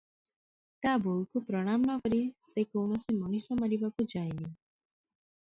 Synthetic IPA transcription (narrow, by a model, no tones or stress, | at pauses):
t̪abolkupɾɔɽ̃amɔnɔkɔɾisekɔwɳɔsimɔnusɔmaɾibakud͡ʒajni